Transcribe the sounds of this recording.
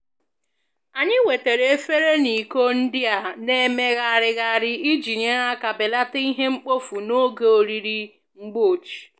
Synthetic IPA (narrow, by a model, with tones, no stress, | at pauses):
a˨ɲɪ˦we˨te˨ɾe˨e˦fe˦ɾe˦ni˨ko˦n̩˦dɪ˦a˨ne˦me˦ɣa˦a˨ɾɪ˦ɣa˦˨ɾɪ˦i˦d͡ʒi˨ɲe˦ɾa˦ka˨bɪ˨la˦ta˦i˦ɦe˦ŋ͡m̩˦k͡po˦fu˨no˦ɡe˦˨o˨ɾi˨ɾi˦ | ŋ͡m̩˦ɡ͡bo˦˨t͡ʃi̥˨